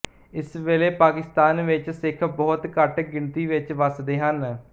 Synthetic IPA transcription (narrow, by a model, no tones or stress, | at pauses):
ɪsʋeːleːpaːkɪst̪aːnʋɪt͡ʃsɪkʰbɔːt̪kəʈɡɪɳt̪iːʋɪt͡ʃʋəsd̪eːɦən